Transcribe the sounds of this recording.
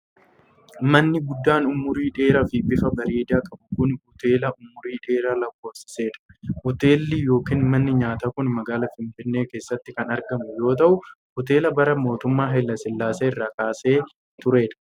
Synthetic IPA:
mɐnːɪɡʊd̪ːaːnʊmʊɾiːᶑe̞ːɾɐfɪbɪfɐbɐɾeːd̪aːkʼɐbʊkʊnhʊt̪e̞ːlɐʔʊmʊɾiːᶑe̞ːɾaːlɐkːoːfsɪ̥se̞ːᶑɐ̥hʊt̪e̞ːlːiːjo̞ːkiːnmɐnːɪɲaːt̪aːkʊnmɐɡaːlɐfɪɱfɪnːe̞ːke̞ːsːɐt̪ːɪkɐnɐɾɡɐmʊjo̞ːt̪̬ɐʔʊ | hʊt̪e̞ːlɐbɐɾɐmo̞ːt̪ʊmːaːɦɛlːɐsɪlːaːseːɪrːaːkaːse̞ː | t̪ʊɾe̞ːᶑɐ̥

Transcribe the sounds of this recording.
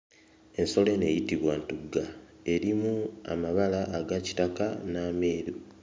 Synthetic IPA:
e̞nso̞le̞ne̞jitiβwantuɡːa | e̞ɾimua̰maβalaʔːɡaci̥takanaːme̞ːɾu

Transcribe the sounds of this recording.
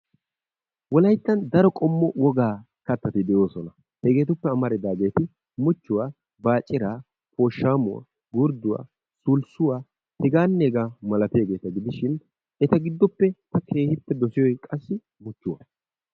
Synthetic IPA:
wɔlɐjt̪ːɐnd̪ɐɾɔkʼɔmːɔwɔɡaː | kɐt̪ːɐt̪ɪd̪ɛjo̞ːsɔnɐ | hɛɡe̞ːt̪ʊpːɛɐmɐɾɛd̪aːɡe̞ːt̪ɪ | mʊt͡ʃːʊwaː | baːt͡ʃʼːɪɾaː | poːʃːaːmʊwa̰ː | ɡʊɾd̪ʊwa̰ː | suːlsʊwaː | hɪɡaːnːeːɡaːmɐlɐt̪e̞ːɡe̞ːt̪ɐɡɪd̪ɪʃɪn | ɛt̪ɐɡɪd̪ːɔpːɛt̪ɐkʰe̞ːhɪpːɛd̪ɔsɪjɔjkʼɐsːɪ | mʊt͡ʃːʊwa̰

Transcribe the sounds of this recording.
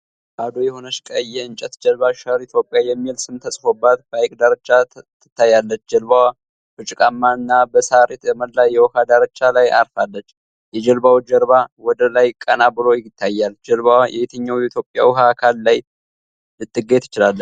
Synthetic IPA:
kʼad̪ojɛho̞nəʃkʼəjɛɨnt͡ʃʼət̪d͡ʒəlβaʃəɾit̪ʰjo̞pʼjajɛmːilsɨmt̪ʰəsʼfo̞bːat̪bəajkʼd̪aɾət͡ʃːat̪ʰːɨt̪ʰːajalːət͡ʃːd͡ʒɛlβawa | b̥ɨt͡ʃʼɪkʼamːaɨnːabəsaɾet̪bɛməlːajɛwɔhad̪aɾət͡ʃːalajʔa̰ɾfalːət͡ʃː | jɛd͡ʒəlbawd͡ʒəɾβawɔd̪əlajkʼənabɨlo̞jt̪ʰːajːald͡ʒəlβawajʔɛ̰βet̪ʰəɲːawjɛit̪ʰjo̞pʼːja̰wɦakʰalːaj | ɨt̪ʼːɨɡet̪ʰɨt͡ʃɪlalːət͡ʃ

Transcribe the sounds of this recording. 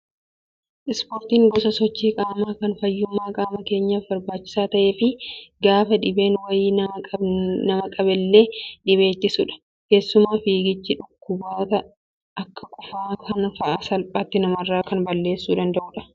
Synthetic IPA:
ʔɪspoːɾt̪iːŋɡɔsɐsɔt͡ʃːiːkʼaːmaːkɐnfɐjːʊmːaːkʼaːmɐke̞ːɲːaːfbɐɾbaːt͡ʃːɪ̥saːt̪ɐʔe̞ːfɪɡaːfɐᶑɪbe̞ːnwɐjiːnʼɐnɐmɐkʼɐbɪlːe̞ːᶑɪβe̞ːt̪ːɪsʊᶑɐ̥ | ke̞ːsːʊmaːfiːɡɪt͡ʃːɪᶑʊkːʊbaːɔt̪ɐ | ɐkːɐkʼʊfaːkɐnfɐʔaːsɐlpʼaːt̪ːɪnɐmɐrːaːkɐnbɐlːe̞ːsːuːᶑ̪ɐnd̪ɐʔʊːᶑɐ̥

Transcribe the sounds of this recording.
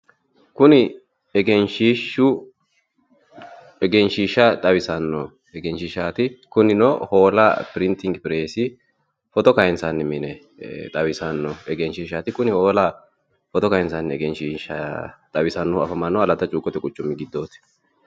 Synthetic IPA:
kʊnɪ | ɛɡɛnʃiːʃːʊ | ɛɡɛnʃiːʃɐt̪ʼɐwɪsɐnːɔ | ɛɡɛnʃɪʃaːt̪ɪkʊnɪnɔhoːlɐ̰pɪɾɪnt̪ɪŋɡpɪɾeːsɪ | fɔt̪ɔkɐjɪnsɐnːɪmɪnɛ | t̪ʼɐwɪsɐnːɔɛɡɛnʃiːʃat̪ɪkʊnɪho̞ːlɐ | fɔt̪ɔkɐjɪnsɐnːɪɛɡɛnʃiːʃɐt̪ʼɐwɪsɐnːɔɐfɐmɐnːɔɐlɐt̪ːɐt͡ʃʼuːkʼːɔt̪ɛkʼʊt͡ʃːʊmːɪɡɪd̪ːo̞ːt̪ɪ̥

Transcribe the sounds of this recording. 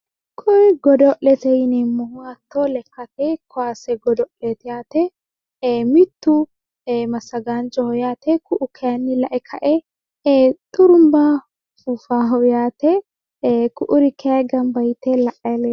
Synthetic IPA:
kʰɔɡɔd̪ɔʔɛt̪ɛjɪnɛmʊhʊwat̪ːɔlɛkːɐt̪ɛkʰɔaːsɛɡɔd̪ɔʔlɛt̪ɪjaːt̪ɛ | mɪt̪ːʊ | mɐsːɐɡand͡ʒɔhɔjaːt̪ɛkʊʔʊkʰɛɐnːɪlɐʔɛkʰɐʔɛ | t̪ʼʊɾʊmba | fufaːɦɔwjaːt̪ɛ | kʊʔʊɾɪkʰɛaɡɐmbɐjt̪ɛlɐʔɐlɛ

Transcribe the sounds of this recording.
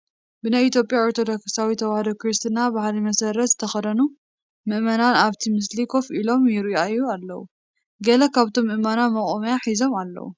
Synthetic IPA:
bɨnajit̪ʰjo̞pʼjaoɾt̪ʰo̞d̪oksawit̪ʰɐwahd̪okɾist̪ʰɨnabahlimɐsɐɾɐt̪zɨt̪ʰɐxɐd̪ɐnu | mɨʔmɐnanaβt̪ʰimɨslikʰo̞fʔilo̞mjɪɾajːualːɐwṵ | ɡɐlɐkʰaβt̪ʰo̞mːɨʔmanamɐkʼomɐjaħizo̞malːɐ̰wṵ

